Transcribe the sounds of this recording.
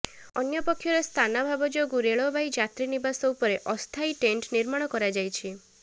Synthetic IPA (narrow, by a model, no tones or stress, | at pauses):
ɔ̰njɔpɔkʰːjɔɾɔst̪ʰanabʱabɔd͡ʒoɡuɾeɭɔbʱajd͡ʒat̪ɾinibasɔupɔɾeʔɔst̪ʰajʈeɳʈniɾmaɽ̃ɔkɔɾad͡ʒajt͡ʃʰi